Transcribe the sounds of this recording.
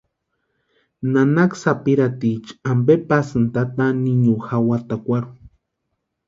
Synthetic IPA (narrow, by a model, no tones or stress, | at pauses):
nanaksapiɾat̪it͡ʃambepasɨnt̪at̪aniɲuxawat̪akʷaɾu